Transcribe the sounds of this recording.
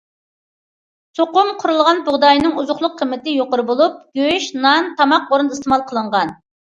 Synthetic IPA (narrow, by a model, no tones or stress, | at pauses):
soqʊmqʰʊɾulˠʁɑnbʊʁd̪ɑjnɪŋuzʊχlˠʊqʰːəmːɪt̪ɪjoqʊɾɨbolˠup̚ɡ̥ʲøʃnɑnt̪ʰɑmɑq̚oɾɨnd̪ist̪ɪmɑlˠqʰəlˠəɴʁɑn